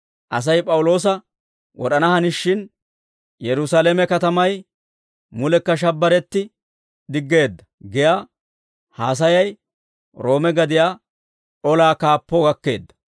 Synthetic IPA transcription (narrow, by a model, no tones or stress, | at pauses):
ʔɐ̰s̬ɐjpʼɐwʊlo̞ːs̬ɐ | wɔ̰ɗɐnɐhɐnɪʃːɪn | jɛɾʊsaːleːmɛkɐt̪ɐmɐj | mʊlɛkːɐʃ̬ɐbːɐɾɛt̪ːɪ | d̪ɪɡːe̞ːd̪ːɐ̥ | ɡɪjaː | haːs̬ɐjɐj | ɾo̞ːmɛɡɐd̪ɪjaː | ʔɔlaːkaːpːɔɡɐkːe̞ːd̪ːɐ̥